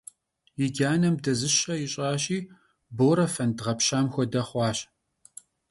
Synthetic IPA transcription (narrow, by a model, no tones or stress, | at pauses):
jɪɡʲaːnɐmdɐzɨɕɐjɪɕʼaːɕʼiː | boːɾɐfɐndʁɐpɕaːmxʷɔdɐχʷɑːɕʼ